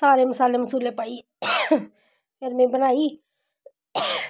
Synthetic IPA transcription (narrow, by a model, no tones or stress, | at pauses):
saːɾemɪsaːlemɐsuːleːpaːiː | eɾmẽbənaːiː